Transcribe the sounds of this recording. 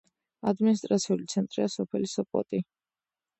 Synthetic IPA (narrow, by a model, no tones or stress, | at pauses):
ad̪minist̪ʼɾat̪sʰiulit̪sʰɛnt̪ʼɾiasɔpʰɛlisɔpʼɔ̰t̪ʼi